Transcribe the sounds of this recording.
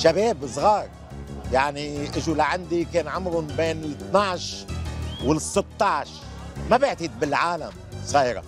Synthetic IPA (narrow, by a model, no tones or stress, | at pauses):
ʃabeːbsˤɣɑːɾˤ | jaʕniʔɪʒulaʕand̪ikeːnʕʊmɾʊnbeːnɪlɨt̪naʕʃ | wɪlsːɪt̪ːɑʕʃ | mabɪʕt̪id̪̚bɪlʕaːla̰m | sˤɣiːɾɑ̰